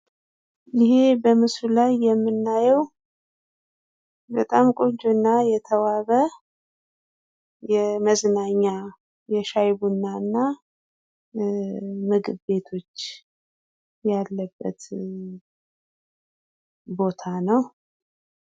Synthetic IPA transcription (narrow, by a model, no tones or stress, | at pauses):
jɪhe̞bəmɨslulajːɛmːɨnːajɛw | bət̪ʼamkʼoɲt͡ʃʰʼonːajɛt̪ʰəwaβə | jɛməznaɲːa | jɛʃajbunːaɨnːa | mɨɡɨβbe̞t̪ʰo̞t͡ʃː | jalːəbːə̰t̪ | bo̞t̪ʰanəw